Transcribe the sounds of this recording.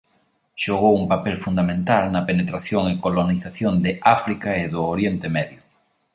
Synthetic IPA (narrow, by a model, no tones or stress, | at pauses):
ʃoɣ̞owuŋpapɛlfund̪amẽnt̪alnɐpenet̪ɾaθjoŋɪkoloniθaθjond̪ɪafɾikaɪðʊoɾjent̪emɛðjʊ